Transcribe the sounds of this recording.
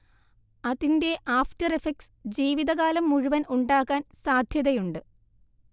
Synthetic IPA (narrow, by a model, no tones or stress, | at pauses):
ɐðinde̞ʔaːftɐrefeksd͡ʑiːʋiðɐɣaːlɐmːuɻuʋɐnʔuɳɖaːkːaːnsaːd̪ʱjɐðɐjuɳɖɨ